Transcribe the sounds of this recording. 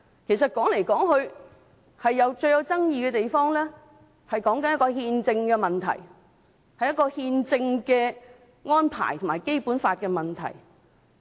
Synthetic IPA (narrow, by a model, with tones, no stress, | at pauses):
kʰe˨˩jsɐ˨t̚kɔː˨˥ŋle˨˩jkɔː˨˥ŋhɵ˧ɥ | hɐ˨jːɐ˨˧wt͡ʃɵ˧ɥjɐ˨˧wt͡sɐ˥ŋjiː˧kɛː˧t̪e˨jfɔː˥ŋlɛː˥ | hɐ˨jkɔː˨˥ŋkɐ˦njɐ˥kɔː˧ɦiː˧nt͡sɪ˧ŋkɛː˧mɐ˨nt̪ʰɐ̰˨˩j | hɐ˨jːɐ˥tkɔː˧hiː˧nt͡sɪ˧ŋkɛː˧ | ŋɔː˥npʰa̰ː˨˩jt̪ʰo˨˩maː˨˩jke˥jpuː˨˥nfaː˧t̚kɛː˧mɐ˨nt̪ʰɐ̰˨˩j